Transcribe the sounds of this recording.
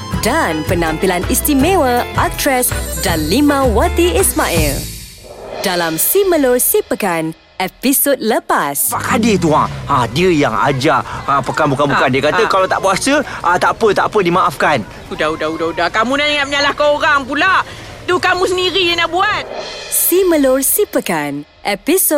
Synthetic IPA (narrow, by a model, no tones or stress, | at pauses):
danpənãmpilanist̪imewəak̚tɾɛsdalimãwat̪iismaʔḭl | d̥alamsiməlosipəkan | episot̚ləpasaʔkadɪht̪̬uaadiəjaŋa̰d͡ʒaapəkanbukanbukandiəkat̪əkalat̪aʔbuasəʔat̪apət̪aʔpədimaʔafkan | udaudaudaudakamunaiŋaməɲalahkaoɾaŋpula | t̪ukamũsəndiɾiənabuat̪̚siməlʊrsipəkan | ʔepiso